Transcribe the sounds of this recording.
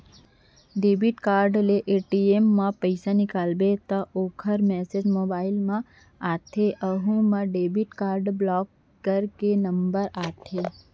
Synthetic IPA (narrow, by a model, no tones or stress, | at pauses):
ɖeːbɪʈkaːɾɖleʔeːʈieːmːãpəɪsanɪkaːlbet̪ɐʔoːkʰəɾmɛːsed͡ʒmoːbaːɪlmã | aːt̪ʰeʔɐɦũmãɖeːbɪʈkaːɾɖblɔːkː | əɾkenɐ̃mbəɾaːt̪ʰe